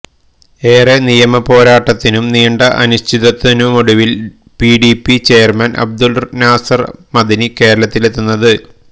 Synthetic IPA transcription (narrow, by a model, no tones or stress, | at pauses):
e̞ːrenijɐmɐpo̞ːɾaːʈːɐt̪ːinumniːɳɖɐʔɐnuɕt̪ʰiðɐt̪ːinumoɽuʋil | piɖipːit͡ɕe̞ːɐrmɐnʔɐ̰b̚d̪ulnaːsɐrmɐd̪inike̞ːɾɐɭɐt̪ːilet̪ːunːɐðɨ